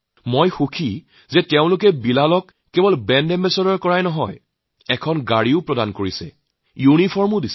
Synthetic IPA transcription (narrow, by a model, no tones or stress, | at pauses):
mojxukʰi | zɛteʊ̃lʊk̬ɛbilalɔkːebɔlbɛndɛmbɛsɔɾɔɹkɔɹajnɔɦɔj | ɛkʰɔnɡaɹiʊpɹɔdankoɹisɛ̰ | junipʰɔɹmʊdis